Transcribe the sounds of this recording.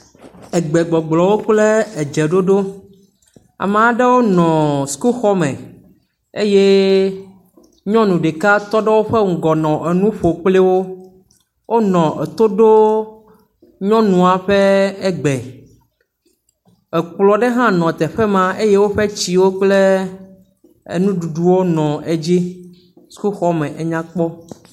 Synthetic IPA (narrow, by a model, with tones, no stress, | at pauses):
ɛ˨ɡ͡bɛ˨ɡ͡bɔ˨ɡ͡blɔ˨wo˦k͡ple˦ɛ˨d͡ʒɛ˨ɖo˦ɖo˦ | a̰˨mẽ˨a˨˦ɖe˦wo˦nɔ̃˨sku˦xɔ˦mɛ̰̃˨ | e˦je˦ | ɲɔ̃˦nũ˨ɖe˨ka˦t̪ɔ˦ɖɛ˦wo˦ɸɛ˦ŋ̩˨ɡɔ˨nɔ̃˨ʔɛ˨nũ˦ɸo˨k͡plɛ˦wo˦ | wʔo˦nɔ̃˨ʔɛ˨t̪o˦ɖo˦ | ɲɔ̃˦nũ˨a˨ɸe˦e˦ɡ͡be˨ | e˨k͡plɔ˨ɖe˦ɦã˦nɔ̃˨t̪ɛ˨ɸɛ˦mã˦ʔe˦je˦wo˦ɸe˦t͡ɕi˨wo˦k͡ple˦ | ḛ˨nũ˦ɖu˨ɖu˨wo˦nɔ̃˨ʔe˨d͡ʑi˦ | su̥˦ku˦xɔ˦mẽ˨ʔe˨ɲã˦k͡pɔ˦